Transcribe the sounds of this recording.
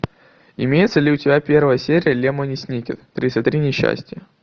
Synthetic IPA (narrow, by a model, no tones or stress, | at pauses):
ɪmʲejɪt̪səlʲɪʊtʲɪbʲæpʲe̞rvəjəsʲeɾʲɪjəlʲemənʲɪsʲnʲikʲɪt̪t̪ɾʲisət̪ɾʲinʲɪɕːæ̰sʲtʲɪjə